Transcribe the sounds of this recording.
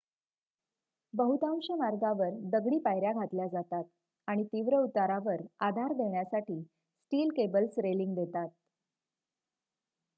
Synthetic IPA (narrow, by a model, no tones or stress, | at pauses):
bəɦut̪ãwɕemaɾɡaʋəɾd̪əɡɭiːpajɾjaɡʱat̪ljad͡zat̪at̪̚ | aɽ̃it̪iʋɾəut̪aɾaʋəɾad̪ʱaɾd̪ʱeɳjasaʈiː | sʈiːlkebəlsɾeliŋɡd̪et̪at̪̚